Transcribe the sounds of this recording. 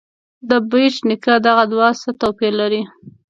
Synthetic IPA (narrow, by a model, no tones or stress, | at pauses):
d̪əbit͡ʃnɪkad̪aɣad̪wɑsat̪awpelaɾi